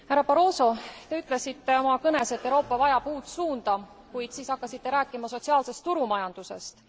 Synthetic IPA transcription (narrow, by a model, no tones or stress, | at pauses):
hæɾɑpɑɾo̞ːso̞t̪e̞yt̪ˑle̞sit̪ːe̞o̞mɑkɤne̞se̞t̪ːeɾo̞ːpːˑɑvɑjɑpuːt̪suːnd̪ɑ | kujd̪̥siːsɑkːɑsit̪ːe̞ɾæːkːˑimɑso̞tsiɑːlse̞st̪ːuɾumɑjɑnd̪̥use̞̰st̪